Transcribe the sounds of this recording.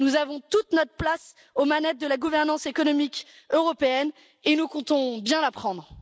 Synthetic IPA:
nuzavɔ̃t̪ut̪nɔt̪χplas | omanɛt̪̚d̪əlaɡuvɛʁnɑ̃sekɔnɔmik | øʁɔpeɛn | enukɔ̃t̪ɔ̃bjɛ̃lapχɑ̃d̪ʁ

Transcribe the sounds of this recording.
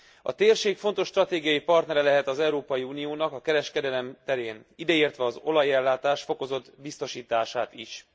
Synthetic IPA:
ɒ̰t̪eːrʃeːkfo̞nt̪o̞ʃːt̪rɒt̪eːɡijɒjipɒrt̪nɛɾɛlɛɦɛt̪ɒzɛuɾoːpɒjiuːnijoːnɒkɒkɛɾɛʃkɛd̪ɛlɛmt̪ɛɾeːnid̪ɛiːrt̪ʋɛɒzo̞lɒjɛlːaːt̪aːʃfo̞ko̞zo̞d̪bist̪o̞ʃiːt̪aːʃaːt̪iʃ

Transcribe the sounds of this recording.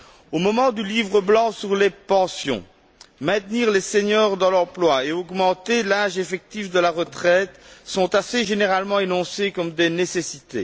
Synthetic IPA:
omɔmɑ̃d̪ylivʁəblɑ̃syʁlepɑ̃sjɔ̰̃ | mɛ̃t̪niːʁleseɲœʁd̪ɑ̃lɑ̃plwaeɔɡmɑ̃t̪elaʒefɛk̚t̪ifd̪əlaʁət̪χɛt̪sɔ̃t̪aseʒeneʁalmɑ̃enɔ̃sekɔmd̪enesesit̪ḛ

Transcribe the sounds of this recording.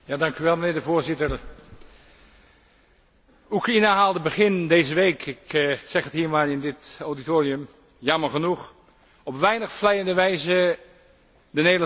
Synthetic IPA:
jaːdɑŋkyʋɛlˠmənɪːɹdəvoːɹzɪtər | ukrainaɦaːlˠdəbəχɪndejzəʋeːkʰɪksɛχətɦiːɹmaːlɪndɪtawditoːriəm | jɑməɹχənuχ | ɔpʋɛjnəχflɛjəndəʋɛjzə | dəneːdl

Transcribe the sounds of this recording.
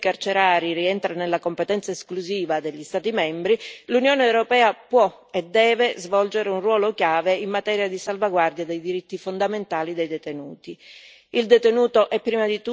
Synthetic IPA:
kart͡ʃeɾaːɾiriɛnt̪ɾanelːakompet̪ɛnt̪saeskluziːvad̪eʎːist̪aːt̪imɛmbɾilunjoːneːwɾopɛːapwɔ | ed̪ːɛːvezvɔld͡ʒeɾeunrwɔːlokjaːveimːat̪ɛːɾjad̪isalvaɡward̪jad̪ejd̪iɾit̪ːifond̪ament̪aːlid̪ejd̪et̪enuːt̪i | ild̪et̪enuːt̪oʔɛpːɾiːmad̪it̪u

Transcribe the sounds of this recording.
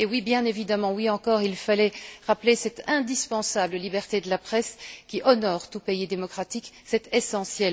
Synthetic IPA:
ewibjɛ̃nevid̪amɑ̃wiɑ̃kɔʁilfalɛʁaplesɛt̪ɛ̃d̪ispɑ̃sabləlibɛʁt̪ed̪əlapχɛskʲiʔɔnɔʁt̪upeid̪emɔkχat̪ik | sɛt̪esɑ̃sjɛl

